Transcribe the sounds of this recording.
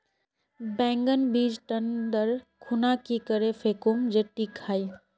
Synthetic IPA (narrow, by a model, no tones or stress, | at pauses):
bɛ̃ːŋɡənbiːd͡ʒʈənd̪əɾkʰʊnakikəɾefʰeːkomd͡ʒeʈːikʰaːi